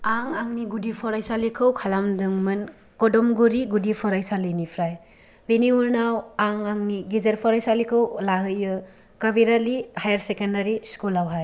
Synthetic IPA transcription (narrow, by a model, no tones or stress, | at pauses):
aŋaŋniɡudipʰɔɾajsalikʰɯwkʰalamdɯŋmɯn | kɔdɔmɡuɾiɡudipʰɔɾajsalɯjnipʰɾaj | beniuɾnawaŋaŋniɡizeɾpʰɔɾajsalikʰɯwlaɦɯjɯ | kabiɾalihajaɾsekendaɾiskulawɦaj